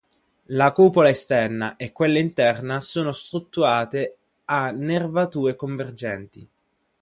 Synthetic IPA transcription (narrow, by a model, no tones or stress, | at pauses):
lakuːpolaest̪ɛrnaʔekːwelːaint̪ɛrnasoːnost̪ɾut̪ːuɾaːt̪e | anːervat̪uːekoɱverd͡ʒɛnt̪i